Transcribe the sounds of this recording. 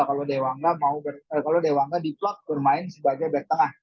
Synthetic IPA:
akalodewaŋɡamaubərkalodewaŋɡadiplɔt̪̚bərmaɪnsəbaɡabɛt̪əŋah

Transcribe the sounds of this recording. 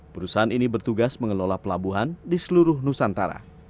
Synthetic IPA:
pəɾusaɦaninibərt̪uɡasməŋəlolapəlabuɦandisəluɾʊhnusant̪aɾa̰

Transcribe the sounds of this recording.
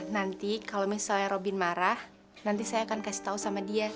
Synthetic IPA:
nant̪ikalomisaljaɾobinmaɾah | nant̪̬isajaːkankasi̥t̪ausamadia

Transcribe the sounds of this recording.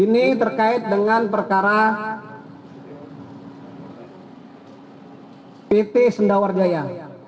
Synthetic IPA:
init̪ərkaɪt̪̚dəŋanpərkaɾa | pet̪esəndaward͡ʒaja

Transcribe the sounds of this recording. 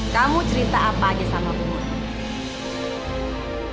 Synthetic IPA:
kamut͡ʃəɾit̪aapaːd͡ʒɛsamapun

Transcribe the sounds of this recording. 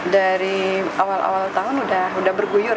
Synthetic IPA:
daɾiawalʔa̰walt̪aɦʊnudaɦudahbərɡujʊr

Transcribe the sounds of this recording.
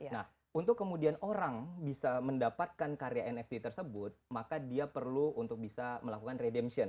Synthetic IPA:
nah | unt̪ʊkːəmudianoɾaŋbisaməndapat̪̚kankaɾeaɛnɛft̪it̪ərsəbʊt̪̚makadiapərluunt̪ʊk̚bisaməlakukanredɛmsiɔn

